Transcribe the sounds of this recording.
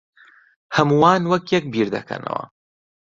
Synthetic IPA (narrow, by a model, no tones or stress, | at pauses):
hɐmuwaːnwɐkjɛk̚biːɾd̪ɐkʰɐ̰nɐ̰wɐ̰